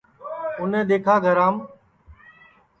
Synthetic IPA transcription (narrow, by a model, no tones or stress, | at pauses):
ʊnẽːɗ̪eːkʰaːɡʱəɾaːm